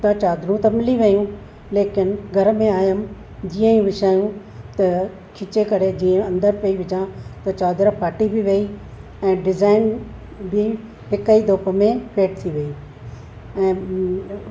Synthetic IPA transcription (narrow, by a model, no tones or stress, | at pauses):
t̪ɐt͡ɕaːd̪ɾũt̪ɐmɪliʋɐjũ | leːkɪnɪɡʱɐɾmẽaːjəm | d͡ʑiːə̃ĩʋɪʃaːjũ | t̪ɐ | kʰɪt͡ɕekɐɽed͡ʑiːə̃ɐ̃nd̪əɾpɐiʋɪd͡ʑãt̪ɐt͡ɕaːd̪ɾapʰaːʈibiʋei | ɛ̃ːɖɪzaːɪn | bɪ | ɦɪkəid̪ʱoːpə̆mẽfʰeːʈ̚t̪ʰiʋɐi | ɛ̃ː